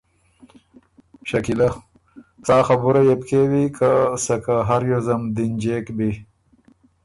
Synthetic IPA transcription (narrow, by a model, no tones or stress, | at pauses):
ɕɐkilɐ | t͡saːxɐbuɾajepkewikʰasɐkaɦaɾjozɐmd̪ind͡ʒeːkbi